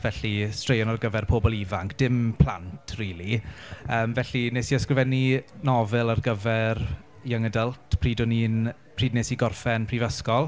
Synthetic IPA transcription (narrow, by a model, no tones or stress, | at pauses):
vɛɬistrejɔnarɡəvɛrpʰoːbɔlˠivaŋkd̥ɪmpʰl̥ˠa̰ntʰriːliəːmvɛɬineːsiɔskrɪvɛninɔvɛlˠarɡəvɛr | jaŋədəlˠtʰpʰriːdɔniːn | pʰriːdneːsiɡɔrfɛnpʰrivəskɔlˠ